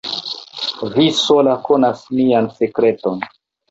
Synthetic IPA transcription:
visolakonasmianse̞kɾe̞to̞n

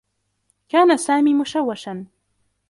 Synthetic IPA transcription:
kaːnasaːmiːmʊʃawːaʃan

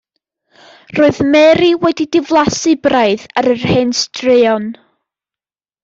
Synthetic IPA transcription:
roːɨðmɛɾiwɛdidɪvlˠasɨbraɨðaɾərhɛnstrɪɔn

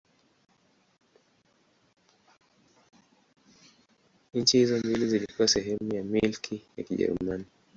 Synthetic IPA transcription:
ɲ̩t͡ʃihizɔmbilizilikuwasɛɦɛmujamilkʰija̰kiʄɛ̰ɾṵmani

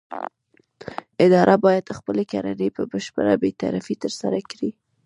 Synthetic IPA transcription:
ɪd̪ɑɾʔabɑjad̪əxpəlekaɾanəpəbəʃpə̰ɾabet̪a̰ɾafit̪əɾsaɾakɽi

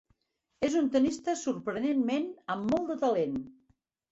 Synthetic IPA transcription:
ezunt̪ənist̪əsuɾpɾənenmenəmːɔlˠd̪ət̪əlen

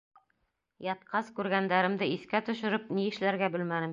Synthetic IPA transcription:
jɑt̪qɑskʉɾɡænd̪æɾɘ̆md̪ɘiθkæt̪ɵ̆ʃɘ̆ɾɘp̚niɘ̆ʃlæɾɡæbɘlmænɘm

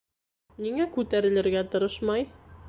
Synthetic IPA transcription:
niŋækʉt̪æɾɘ̆lɘ̆ɾɡæt̪ɤ̆ɾɤʃmɑj

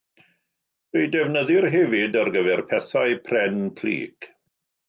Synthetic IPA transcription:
rejdɛvnəðɨrɦɛvɪdarɡəvɛrpʰɛθaɨpʰrɛnpʰlḭːɡ̥

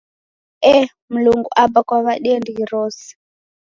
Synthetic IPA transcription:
ɛ | muluŋɡṵʔabakwaβaɗiɛndiiɾɔːsi̥

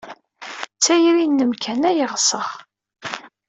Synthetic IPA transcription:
t͡sːæjɾinːəmkʰænæjəʁsəʁ

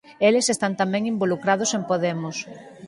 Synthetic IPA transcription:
elesest̪ant̪amẽŋimbolukɾað̞ʊsempoðemʊs

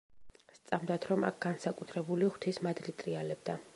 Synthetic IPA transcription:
st̪sʼamd̪at̪ʰɾɔma̰k̚ʰɡ̥ansakʼut̪ʰɾɛbuliχw̥t̪ʰismad̪lit̪ʼɾialɛb̚d̪a

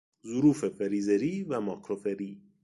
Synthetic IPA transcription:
zuɾuːfefeɾiːzeɾiːvæmɒːkʰɾofe̞ɾiː

